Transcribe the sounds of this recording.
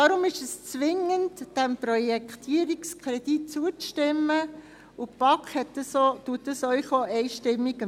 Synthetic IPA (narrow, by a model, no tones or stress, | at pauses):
dɑɾʊmɪʃəst͡sʋɪŋəntd̥ɛmprɔjɛkχt̪ʰiəɾikskʰɾɛd̥it̚t͡suət͡sʃtɪmːə | ʊpɑkχhɛtːəsotuətːəsœɥχɔʔɛɪʃtɪmːiɡə